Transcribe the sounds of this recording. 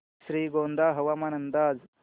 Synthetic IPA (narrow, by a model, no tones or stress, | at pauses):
ʃɾiːɡoːnd̪aːɦɐʋamɐnɐnd̪aːz